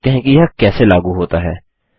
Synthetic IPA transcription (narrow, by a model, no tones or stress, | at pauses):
kɛɦẽkijakɛːselaːɡuɦoːt̪aɦɛː